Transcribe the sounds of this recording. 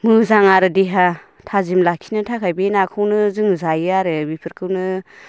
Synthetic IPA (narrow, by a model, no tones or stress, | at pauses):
mɯzaŋaɾɯdiɦa | tʰazimlakʰinɯtʰakʰajbenakʰɯwnɯzɯŋzajɯaɾɯbipʰɯɾkʰɯwnɯ